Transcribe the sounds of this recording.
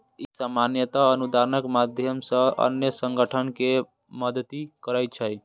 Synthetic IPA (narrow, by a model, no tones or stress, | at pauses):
isamanjət̪aənud̪aɾənəkmad̪ʱjəmsə̃ə̰njəsəŋɡəʈʰənke | məd̪t̪ikəɾəj̪̚t͡ʃʰəj